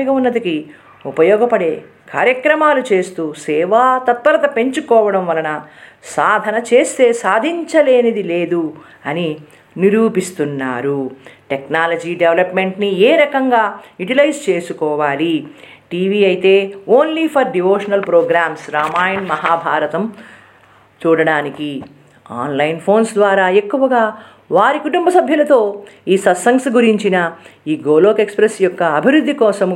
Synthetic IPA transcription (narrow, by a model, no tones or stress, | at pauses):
iɡɐunːɐd̪ɐki | upɐjɔːɡɐpɐɽe̞ː | ka̰ːɾjɐkɾɐmaːlut͡ʃe̞ːst̪uːsɛːʋaːt̪ɐt̪̚pɐɾɐt̪ɐpe̞ɲt͡ʃukɔːʋɐɽɐmʋɐlɐnɐsaːd̪ʱɐnɐt͡ʃe̞ːst̪e̞ːsaːd̪ʱiɲt͡ʃɐle̞ːnɐd̪ileːd̪u | ɐni | niɾuːpist̪unːa̰ːɾuʈeknaːlɐd͡ʒiːɖeʋlɐpme̞ɳʈnieːɾɐkɐŋɡaːjuʈilɐjst͡ʃe̞ːsukɔːʋaːli | ʈiːʋiːɐjit̪e̞ːoːnlipʰɐɾɖiʋoːʂɐnɐlpɾoːɡɾaːmsɾaːmaːjɐnmɐɦaːbʱaːɾɐt̪ɐm | t͡ʃuːɽɐɽaːniki | a̰ːnlɐjnpʰo̞ːnsd̪ʋaːɾaːekːuʋɐɡaː | ʋaːɾikuʈumbʱɐsɐbʱjɐlɐt̪o̞ːiːsɐsɐŋksɡuɾiɲt͡ʃinɐiːɡoːloːkekspɾesjɔkːɐːbʱiɾud̪ʱːikɔːsɐm